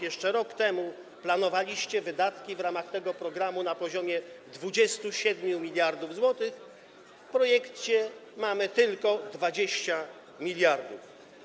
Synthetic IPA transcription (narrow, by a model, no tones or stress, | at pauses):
jɛʂt͡ʂɛɾɔkt̪ɛmu | planɔvalʲiɕt͡ɕɛvɘd̪at̪kʲivɾamaxt̪ɛɡɔpɾɔɡɾamunapɔʑɔmʲjɛd̪vud͡ʑɛst̪uɕɛd̪mʲjumʲilʲjaɾd̪uvzwɔt̪ɘx | fpɾɔjɛkt͡ɕɛmamɘt̪ɘlkɔd̪vad͡ʑeɕt͡ɕa | mʲilʲjaɾd̪uf